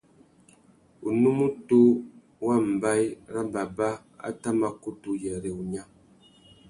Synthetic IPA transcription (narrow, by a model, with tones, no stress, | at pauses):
u˨nu˦mu˦tu˦ | wa˦˨m̩˨ba˦jɾa˦ba˨ba˦ | a̰˦ta˦ma˦ku˦tu˨jɛ˨ɾe˨u˨ɲa˦